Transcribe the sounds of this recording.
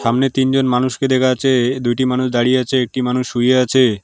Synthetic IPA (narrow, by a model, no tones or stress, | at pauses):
ʃamnet̪ind͡ʑonmanuʃked̪ekʰaat͡ɕʰed̪ujʈimanuʃd̪aɽieat͡ɕʰeek̚ʈimanuʃːujeat͡ɕʰe